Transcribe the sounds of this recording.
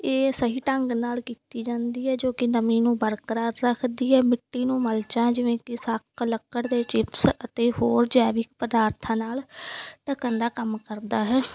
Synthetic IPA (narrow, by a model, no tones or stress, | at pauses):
eːsəɦiːʈəŋɡnaːlkiːt̪iːd͡ʒãːnd̪iːɦɛːd͡ʒoːkɪnəmĩːnũːbəɾkəɾaːɾɾəkʰd̪iːɦɛːmɪʈːiːnũːməlt͡ʃãːd͡ʒɪʋẽːkɪsəkləkːəɽd̪eːt͡ʃɪpsət̪eːɦoːɾd͡ʒɛːʋɪkpəd̪aːɾt̪ʰãːnaːlʈəkənd̪aːkəmkəɾd̪aːɦɛː